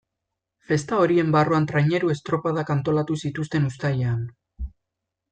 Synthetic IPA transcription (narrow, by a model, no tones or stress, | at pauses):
fe̞st̪ao̞ɾie̞mbaroant̪ɾajɲe̞ɾue̞st̪ɾo̞paðakant̪o̞lat̪usit̪ust̪e̞nust̪ajean